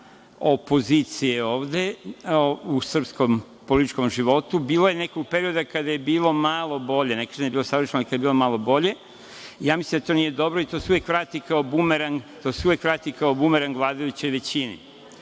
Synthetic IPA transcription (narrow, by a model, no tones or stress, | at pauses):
o̞po̞zit̪sijeo̞ːʋd̪e̞ | usr̩psko̞m | polit̪it͡ʃko̞mʒiʋo̞t̪ubiːloje̞ne̞koɡ̚peɾio̞d̪akad̪ajebiːlo̞malˠo̞bo̞ʎe̞nekanijebiːlo̞saʋr̩ʃenoikajebilo̞maːlˠo̞bo̞ʎe̞ | ijaːmislimd̪at̪o̞ːnije̞d̪o̞bɾoit̪o̞ːseuʋjekʋɾaːt̪ikaobumeɾant̪o̞ːseuʋjekʋɾaːt̪ikaobumeɾanɡlˠaːd̪ajut͡ɕo̞jʋe̞t͡ɕinḭ